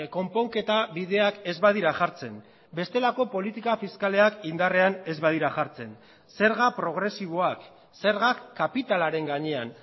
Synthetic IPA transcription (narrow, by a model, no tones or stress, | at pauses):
ko̞mpo̞ŋke̞t̪aβiðe̞ake̞zβaðiɾaʝaɾt͡se̞n | be̞st̪e̞lako̞po̞lit̪ikafiskale̞akind̪are̞ane̞zβað̞iɾaʝaɾt͡se̞n | se̞ɾɣapɾo̞ɣ̞ɾe̞siβ̞o̞ak | se̞ɾɣakkːapit̪alaɾe̞ŋɡaɲe̞an